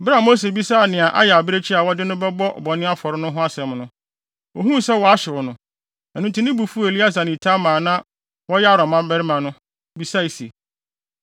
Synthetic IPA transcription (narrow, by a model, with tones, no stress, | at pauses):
bɾa˦˨mo˦s̬e˨bi˦sa˦˨nɪ̃˨a˨ʔa̰˦jɛ˨a˨bɾe˦t͡ɕʰi˦a˨wɔ˦dɪ˦nʊ̃˦bɛ˦bɔ˦ʔbɔ˨nɪ̃˦a˦fɔ˨ɾɪ˦nʊ̃˦ɦʊ̃˦a˦sɛ̃˨m˨nʊ̃˦ | ɔ˨ɦũ˦sɛ˦wɔ˨a˦ɕɪ˨wɔ˨nʊ̃˨ | ɛ˨nũ˨tʰũ˦nɪ̃˦bu˨fu˦˨e˨li˦a˦s̬ã˨nɪ̃˨tʰa˦mãː˨nã˦ | wɔ˦jɛ˦a˦ɾɔ˨mã˦bɛ˦ɾɪ˦mã˨nʊ̃˦˨ | bi˨sa˦˨i˨se˨